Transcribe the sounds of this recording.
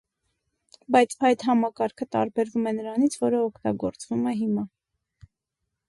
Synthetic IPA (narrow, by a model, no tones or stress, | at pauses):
bɑjt͡sʰɑjt̪ɦɑmɑkɑɾkʰət̪ɑ̰ɾbɛɾvumɛnəɾɑnit͡sʰvɔɾəɔkʰt̪ɑ̰ɡɔɾt͡svumɛɦimɑ